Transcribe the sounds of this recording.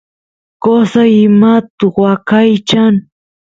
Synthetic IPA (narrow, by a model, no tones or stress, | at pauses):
kosaɪmat̪ʊwakajt͡ʃaŋ